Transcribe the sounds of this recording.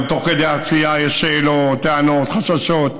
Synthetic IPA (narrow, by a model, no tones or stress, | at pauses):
t̪oked̪easijajɛʃːeːlot̪ːeanot̪χaʃaʃot̪̚